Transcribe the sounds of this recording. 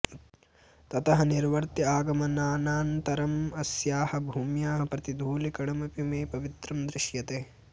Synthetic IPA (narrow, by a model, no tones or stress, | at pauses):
t̪ɐt̪ɐɦɐniɾʋɐɾt̪iaːɡɐmɐnaːnaːnt̪ɐɾɐmɐsjaːhɐ̆bʱuːmjaːɦɐ̆pɾɐt̪id̪ʱuːlikɐɽɐmɐpimeːpɐʋit̪ɾɐmd̪ɾɪʃjɐt̪eː